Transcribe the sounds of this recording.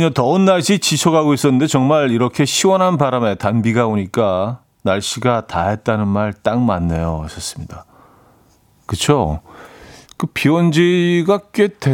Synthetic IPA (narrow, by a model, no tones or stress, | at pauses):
ɲatʌnːaɭɕ͈ʰit͡ɕit͡ɕʰʌɡaɡois͈ʌnːɯndet͡ɕʌŋmaɭiɾʌkʰe̞ɕʰiwʌnɦanbaɾame̞tanbiɡaoɲik͈a | naɭɕ͈iɡataɦet̚t͈anɯnmaɭt͈aŋmanːe̞joʌs͈ʌs͈ɯ̥mɲida | kɯt͡ɕʰo | kɯpiwʌnd͡ʑiɡak͈ete